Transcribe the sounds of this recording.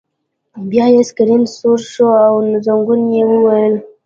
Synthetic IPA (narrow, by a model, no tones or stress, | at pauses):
bjɑjeskaɾinsoɾʃoawnzaŋɡunjewəwajəl